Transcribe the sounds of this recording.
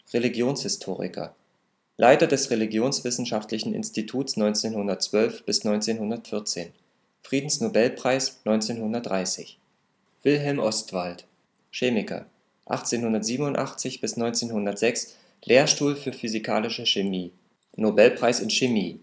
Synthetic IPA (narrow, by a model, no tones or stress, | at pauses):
ʁeliɡjoːnshɪstʰoːʁɪ̰kʰɐ̰ | lʔaɪtɐdɛsʁeliɡjoːnsv̥ɪsn̩ʃaftlɪçn̩ʔɪ̰nstitʰuːtsnɔʏnt͡seːnhʊndɐt̚t͡sv̥œlfb̥ɪsnɔʏnt͡seːnhʊndɐtfɪɐt͡sḛːn | fʁ̥iːdn̩snobɛlpʁ̥aɪsnɔʏnt͡seːnhʊndɐt̚d̥ʁaɪsɪ̰ç | v̥ɪlɦɛlmʔɔstv̥alt | ʃeːmɪkʰɐ̰ | ʔa̰χt͡seːnhʊndɐtz̥iːbənʊntʔa̰χt͡sɪçb̥ɪsnɔʏnt͡seːnhʊndɐtz̥ɛks | lʔeːɐʃtuːlfyːɐfyzikʰa̰ːlɪʃəʃemiː | nobɛlpʁ̥aɪsɪnʃemiː